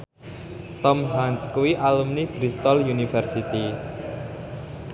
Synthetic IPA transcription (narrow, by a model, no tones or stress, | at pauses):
t̪ɔmɦanskuwiʔalumnib̥ɾist̪ɔljunifɛrsit̪i